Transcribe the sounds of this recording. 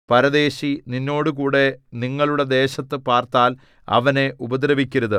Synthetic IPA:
pɐɾɐðe̞ːɕininːo̞ːɽɨkuːɽe̞niŋːɐɭuɽe̞d̪e̞ːɕɐt̪ːɨpaːrt̪aːl | ɐ̰ʋɐne̞ʔubɐd̪ɾɐʋikʲːɐɾɐðɨ

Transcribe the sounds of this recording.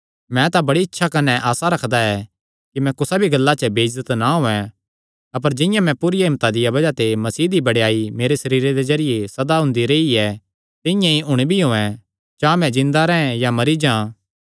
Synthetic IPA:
mɛ̃t̪abɐɽiɪtːʃʰakɐnɛʔaːsaɾɐkʰd̪aɛ | kimɛ̃kʊsabʱiɡɐlːat͡ʃəbeːɪzət̪naɦõːɛ̃ | ɐp̬əɾd͡ʒɪ̃jãmɛ̃puɾɪjaɦɪmt̪ad̪ɪjabɐd͡ʒat̪emɐsiːd̪ibɐɽjaːimeːɾesɐɾiːɾed̪ezɐɾɪjesɐd̪aɦʊ̃ːnd̪iɾeiɛ | t̪ɪ̃jãiʔʊɽ̃ebʱiɦoːɛ̃ | d͡ʒt͡ʃãːmɛ̃d͡ʒɪ̃nd̪aɾɛ̃ːɛ̃jamɐɾid͡ʒãː

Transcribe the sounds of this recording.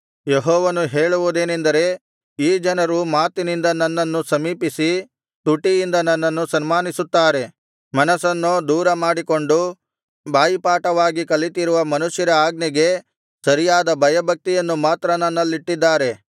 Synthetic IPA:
jeɦɔːʋɐnuɦeːɭuʋud̪e̞ːnend̪ɐɾe̞ | iːd͡ʒɐnɐɾumaːt̪inind̪ɐnːɐnːɐnːusɐmiːpisi | t̪uʈːijind̪ɐnɐnːɐnːusɐnmaːnisut̪ːaːɾe̞ | mɐnɐsɐnːod̪uːɾɐmaːɽiko̞ɳɖu | bʱaːjipaːʈɐʋaːɡikɐlːit̪iɾuʋɐmɐnuʃjɐɾɐaːɡnɛɡe̞ | sɐɾijaːd̪ɐbʱɐjɐbʱɐk̚t̪ijɐnːumaːt̪ɾɐnɐnːɐlːiʈːid̪ːaːɾe̞

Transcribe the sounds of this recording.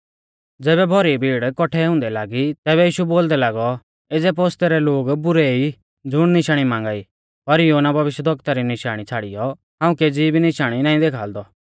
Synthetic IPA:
d͡zɛːβɛbʱɔɾibʱiːɽkɔʈʰɛɦʊ̃ːnd̪ɛlaːɡit̪ɛːβɛjiːʃuboːld̪ɛlaːɡɔ | eːd͡zɛp̬oːst̪ɛɾɛloːɡbʊɾɛi | d͡zʊɽ̃nɪʃaːɽ̃imãːŋɡaːi | pɐɾjoːnabʱɐʋɪʃjəd̪ʱɐkt̪aɾinɪʃaːɽ̃it͡sʰaːɽijɔ | ɦãːũkɛd͡ziːbʱinɪʃaːɽ̃inaːĩd̪eːkʰaːld̪ɔ

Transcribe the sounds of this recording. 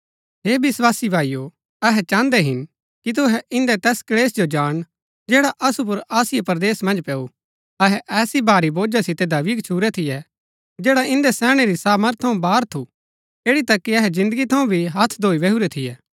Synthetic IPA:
ɦeːbɪswaːsibʱaːijo | ɐɦɛt͡ʃãːnd̪ɛɦɪn | kit̪̬ʊɦɛɪ̃nd̪ɛt̪ɛːskleːsd͡ʒod͡ʒaːɽ̃ | d͡ʒeːɽaʔɐsup̬ʊɾaːsɪjepɾd̪eːsmɐ̃nd͡ʒpɛːu | ɐɦɛʔɛːsibaːɾiboːd͡ʒasɪt̪ed̪ɐʋikt͡ʃʰuːɾɛt̪ʰɪjɛ | d͡ʒeːɽaʔɪ̃nd̪ɛsɛːɽ̃eɾisaːməɾt̪ʰːɐũbaːɾt̪ʰu | eːɽit̪ɐkːiɐɦɛzɪ̃nd̪əɡit̪ʰɐũbʱiɦɐt̪ʰd̪ʱoːiʋɛɦuɾɛt̪ʰɪjɛː

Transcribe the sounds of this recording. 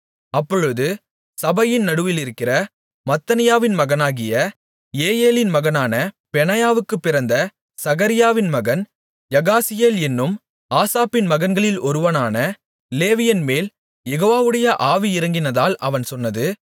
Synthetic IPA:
ɐpːɔɻɯðɯ | sɐbɐjɪnnɐɽɯʋɪlɪɾɯkːɪrɐ | mɐt̪ːɐnɪjaːʋɪnmɐɣɐnaːɣɪjɐ | eːjeːlɪnmɐɣɐnaːnɐ | pɛnɐjaːʋɯkːɯpːɪɾɐnd̪ɐ | sɐɣɐɾɪjaːʋɪnmɐɣɐn | jɐɣaːsɪjeːlɛnːɯm | aːsaːpɪnmɐɣɐnɡɐɭɪlɔɾɯʋɐnaːnɐ | leːʋɪjɐnmeːl | jɛɣoːʋaːʋɯɽɐjɐʔaːʋiɪɾɐŋɡɪnɐðaːlʔɐʋɐnsɔnːɐðɯ

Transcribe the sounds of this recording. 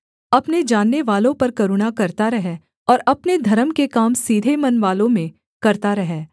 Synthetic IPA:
ɐpned͡ʒaːnːeʋaːlõpɐɾkɐɾʊɽ̃akɐɾt̪aɾɐɦɛ | ɔːɾɐpned̪ʱɐɾəmkekaːmsiːd̪ʱemɐnʋaːlõmẽ | kɐɾt̪aɾɐɦɛː

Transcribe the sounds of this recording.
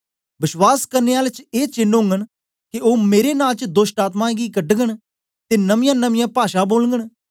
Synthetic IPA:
bɪʃwaːskəɾneːaːlt͡ʃeːt͡ʃɪnɦʊ̃ŋɡəɳ | kɪoːmeːɾeːnaːlt͡ʃd̪oːsʈaːt̪mãːɡiːkəɖɡəɳ | t̪eːnəmɪjãːnəmɪjãːpaːʃaːboːlŋɡəɳ

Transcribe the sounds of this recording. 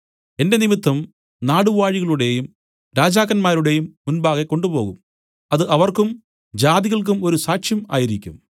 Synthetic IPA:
e̞nde̞nimit̪ːɐm | naːɽuʋaːɻiɣɐɭuɽe̞jum | ɾaːd͡ʑaːɣɐnmaːɾuɽe̞jumːunbaːɣekːo̞ɳɖubo̞ːɣṵm | ɐðɨʔɐʋɐrkum | d͡ʑaːðiɣɐɭk̬umo̞ɾusaːkʂjɐma̰ːjiɾikʲːṵm

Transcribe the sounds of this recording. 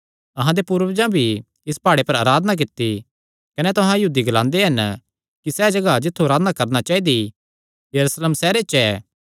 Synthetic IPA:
ɐɦãd̪epuːɾʋd͡ʒãbʱi | ɪspaːɽepɐɾaɾaːd̪ənak̬ɪt̪ːi | kɐnɛt̪ʊɦãjɐɦuːd̪iɡɐlãːnd̪eɦɐn | kisɛːd͡ʒɐɡad͡ʒɪt̪ʰːuɐɾaːd̪nakɐɾnat͡ʃaːid̪i | jɐɾuːsleːmsɛːɾet͡ʃɛː

